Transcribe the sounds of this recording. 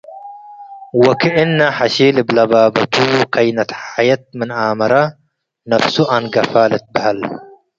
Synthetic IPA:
wɐkɪʔɪnːaħaʃiːlɪblɐbaːbɐt̪ukɐjnɐt̪ħajɐt̪̚mɪnʔaːmɐɾɐ | nɐfsuʔanɡɐfaːlɐt̪̚bɪhal

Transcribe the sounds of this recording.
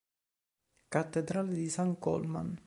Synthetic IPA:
kat̪ːed̪ɾaːled̪isaŋkɔ̰lma̰n

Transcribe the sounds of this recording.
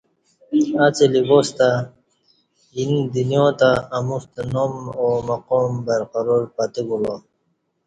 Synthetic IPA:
at͡seliboːst̪a | ind̪injõːt̪aːmust̪enomomɐqoːmbɐɾqaɾoɾpat̪eɡulo

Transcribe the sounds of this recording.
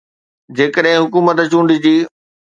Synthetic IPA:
d͡ʑeːkəɗɦɪ̃ɦʊkuːmət̪t͡ɕũːɳɖɪd͡ʑiː

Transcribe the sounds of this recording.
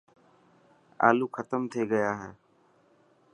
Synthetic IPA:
a̰ːluːkʰət̪əmt̪ʰeːɡəjaːɦɛː

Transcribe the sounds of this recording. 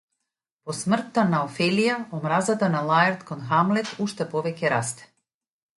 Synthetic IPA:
posmr̩t̪ːanaofɛlijaomɾazat̪analˠaɛɾt̪konxamlɛt̪uʃt̪ɛpɔʋɛcɛɾast̪ɛ̥

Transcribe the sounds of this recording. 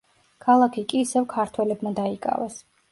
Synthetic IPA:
kʰalˠakʰikʼiːsɛvkʰaɾt̪ʰwɛlɛbmad̪aikʼa̰vɛs

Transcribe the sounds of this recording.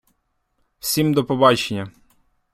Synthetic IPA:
w̥sʲimd̪ɔpɔbɑt͡ʃenʲːɐ

